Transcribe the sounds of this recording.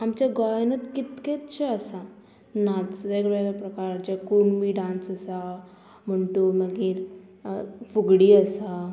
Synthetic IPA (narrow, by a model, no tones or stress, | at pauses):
amt͡ɕaɡɔjnət̪kit̪ket̪t͡ɕʰeəsa | nat͡sʋeɡɽeɾapɾəkaɾd͡ʑakuɳbʱiɖãnsəsa | məɳʈuməɡiɾ | fuɡɽiəsa